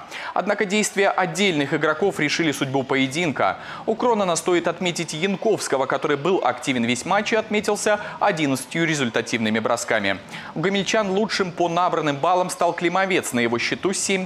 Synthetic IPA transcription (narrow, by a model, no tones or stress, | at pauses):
ɐ̰d̪nakədʲejst̪vʲɪjəʔɐdʲːelʲnɨxɪɡɾɐko̞fɾʲɪʂɨlʲɪsʊdʲbupəjɪdʲinkə̰ | ʊkɾo̞nənɐst̪o̞ɪt̪ɐt̪mʲetʲɪtʲjɪnko̞fskəvəkɐt̪o̞ɾɨjbɨlˠʔɐ̰ktʲivʲɪnvʲesʲmat͡ɕːɪɐt̪mʲetʲɪlˠsʲəɐdʲinət̪sə̥tʲjʊɾʲɪzʲʊlʲt̪ɐtʲivnɨmʲɪbɾʔɐskamʲɪ̰ | ɡəmʲɪlʲt͡ɕanlˠut͡ʂʂɨmponabɾənːɨmbalˠəmst̪ɑlˠklʲɪmɐvʲe̞t̪snəjɪvo̞ɕːɪt̪usʲemʲ